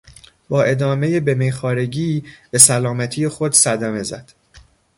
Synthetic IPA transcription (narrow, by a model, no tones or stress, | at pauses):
b̥ɒːʔe̞d̪ɒːme̞jebe̞mejxɒːɾe̞ɟiːbe̞sælɒːmæt̪ʰijexo̞d̪sæd̪æme̞zæd̪̥